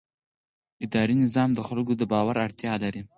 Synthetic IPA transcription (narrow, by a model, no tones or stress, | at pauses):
ɪd̪ɑɾinɪzɑmd̪əxalɡod̪əbɑwaɾaɽt̪jɑlaɾi